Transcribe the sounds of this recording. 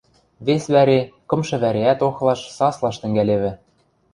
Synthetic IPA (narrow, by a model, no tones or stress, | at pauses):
βesβæɾekɤ̆mʃɤ̆βæɾeæt̪oxlˠɑʃsɑslˠɑʃt̪ɘ̆ŋɡæleβɘ̆